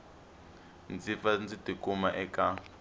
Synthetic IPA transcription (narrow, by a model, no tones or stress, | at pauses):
nd͡zifand͡zitikʼumaʔɛkʼa